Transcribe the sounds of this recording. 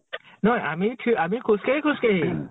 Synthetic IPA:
nɔamiʈʰiamikʰuskeɦikʰuskeɦi

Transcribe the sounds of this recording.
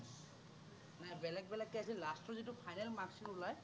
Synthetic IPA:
najbɛlɛk̚bɛlɛkːɛasilastʰɔɹzitupʰajnɛlmaksinulaj

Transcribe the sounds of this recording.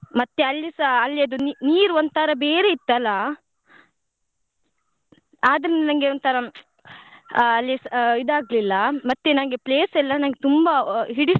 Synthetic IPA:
mɐt̪ːeɐlːisɐɐlːiɐd̪uniniːɾuond̪t̪ʰɐɾɐbeːɾeit̪ːɐlːɐ | aːd̪ɐɾinːenɐŋɡeont̪ʰɐɾɐ | lːisid̪aːɡlilːɐmɐt̪ːenɐŋɡepleːsɛlːɐnɐnɡet̪umbɐɦiɽi

